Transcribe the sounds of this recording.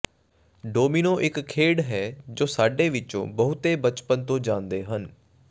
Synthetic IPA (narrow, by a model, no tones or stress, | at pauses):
ɖoːmiːnõːʔɪkkʰːeːɽɦɛːd͡ʒoːsaːɖeːʋɪt͡ʃõ̰ːbəɦʊt̪eːbət͡ʃpənt̪õːd͡ʒãːnd̪eːɦən